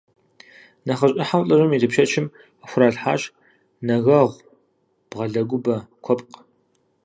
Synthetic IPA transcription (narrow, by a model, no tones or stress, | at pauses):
nɐχɐɕʼɪħawɬʼɐʒʷɐmiːdɨpʃɐt͡ʃʰɪm | axʷʊɾaːɮħa̰ːɕ | nɐɣɐʁʷ | b̥ʁɐɮɐɡʷʊbɐkʷʰɔpʼq